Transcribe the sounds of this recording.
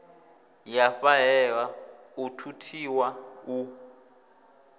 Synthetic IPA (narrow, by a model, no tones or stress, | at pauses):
jafaɦɛwa | utʰutʰiwau